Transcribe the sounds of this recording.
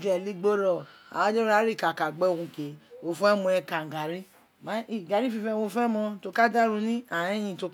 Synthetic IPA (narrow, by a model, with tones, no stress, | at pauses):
d͡ʒɛ˨li˦ɡ͡bo˦ɾɔ˨a̰˨ã˦d͡ʒe˦ɾa˦ɾi˦˨ka˨ka˨ɡ͡bɛ˦˨ũ˧ke˨wo˧fu˦ɛ˦mɔ̃˧ɛ˧ka˨ŋ̩˨ɡa˨ɾi˦ | ma˨˦i˦˨ɡa˨ɾi˦fi˧fɛ̃˧o˧fɛ˦mɔ̃˧to˧ka˦da˦ɾũ˧nĩ˦ã˨ɛ̃˦j̃ĩ˧˨to˧